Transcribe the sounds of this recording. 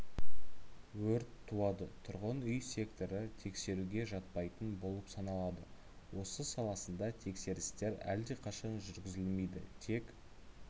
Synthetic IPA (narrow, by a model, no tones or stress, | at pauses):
wɵɾt̪ʰːuɑd̪ət̪ʰʊɾʁənʏjsʲe̞kt̪o̞ɾət̪ʰe̞kse̞ɾuɡʲe̞ʒɑt̪̚pɑjt̪ənbo̞lˠəpsɑnɑlˠɑd̪ə | wo̞səsɑlˠɑsənd̪ɑt̪ʰe̞kse̞ɾɪst̪e̞ɾæ̰ld̪e̞qʰɑʃɑnʒʏɾɡʲɪzɪlme̞jd̪ɪ̰t̪ʰe̞k